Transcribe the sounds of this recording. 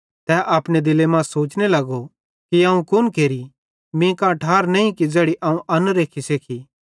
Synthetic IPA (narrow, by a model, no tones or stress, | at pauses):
t̪ɛːʔaːpɽ̃ed̪ɪlemãːsoːt͡ʃnelɐɡo | kiɐːũkʊnkeːɾi | mĩkãʈʰaːɾnɛ̃ĩkid͡zɛːɽiʔaːũʔɐnɾeːkʰiseːkʰi